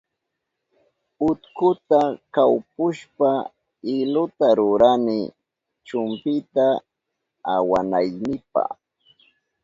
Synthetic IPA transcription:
ʊt̪kʊt̪akawpʊʃpa | ɪlʊt̪aɾʊɾanɪ | t͡ʃʊmpɪt̪aː | wanajnɪpa̰χ

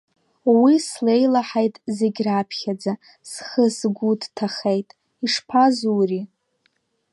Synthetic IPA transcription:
wisle̞jlaħajtʼze̞ɡʲrapʰχʲad͡za | sχəsɡʷudtʰaχejtʼ | iʂpʰazuːri

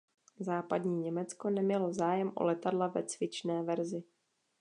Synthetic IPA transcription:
zaːpadɲiːɲɛmɛt͡sko̞nɛmɲɛlo̞zaːjɛmʔo̰lɛt̪adlavɛ̰t͡svɪt͡ʃnɛːvɛɾzɪ

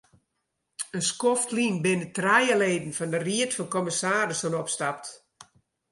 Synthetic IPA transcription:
ənskɔftlinbɪnətrɛjəleːdn̩fɔndəriətfɔnkɔmɪsaːɾəsonɔpstap̚t

